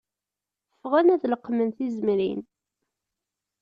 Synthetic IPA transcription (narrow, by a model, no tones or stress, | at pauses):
əfʁænæðləqːmənθizəmɾḭn